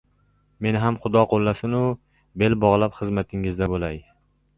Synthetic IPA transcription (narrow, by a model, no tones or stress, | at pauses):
me̞nɪɦamχʊd̪ɒqʰolːasɪnʊ | be̞lbɒʁlˠapχɨzmat̪ʰɪŋɪzd̪abolaj